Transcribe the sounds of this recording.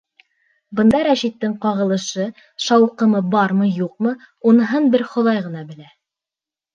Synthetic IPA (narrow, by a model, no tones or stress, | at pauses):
bɤ̆nd̪ɑɾæʃit̪ːɘŋqɑʁɤ̆lˠɤ̆ʃɤ | ʃɑwqɤ̆mɤbɑɾmɤjuq̚mɤ | unɤ̆ɦɤnbɘɾχŏðˠɑjʁɤ̆nɑbɘ̆læ